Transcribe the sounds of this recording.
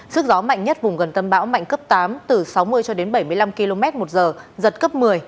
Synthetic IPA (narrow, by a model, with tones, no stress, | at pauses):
sɨ˦˥ək̚zɔ˨˦ma̰˧˨jŋ̟ɲə˦˥t̚vʊ˨˩ŋ͡mɣə˨˩nt̪ə˧mɓa̰ː˧˥wma̰˧˨jŋ̟kə˦˥p̚t̪aː˨˦mt̪ɨ˨˩sa˨˦wmɨ˧əjt͡ɕɔ˧ɗe˨˦nɓə˧˩jmɨ˧əjla˧mki˧lo˧mɛ˦˥t̚mo˨˩t̚zəː˨˩zə˨˩t̚kə˦˥p̚mɨ˨˩əj